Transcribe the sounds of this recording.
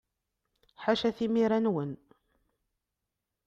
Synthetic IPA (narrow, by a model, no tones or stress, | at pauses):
ħaʃæθimiɾænwən